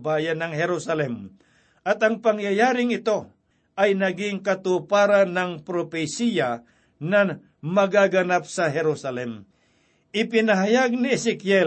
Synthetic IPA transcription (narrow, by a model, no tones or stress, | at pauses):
baːjanɐŋɦɛɾusalɛm | ʔɐt̪ɐŋpɐŋjajaːɾɪŋɪt̪o̞ | ʔajnɐɡɪŋkɐt̪upaːɾanɐŋpɾopɛsija | na | mɐɡaɡɐnap̚sɐɦɛɾusalɛm | ʔɪpɪnɐɦajaɡ̚nɪɛsɛkjɛ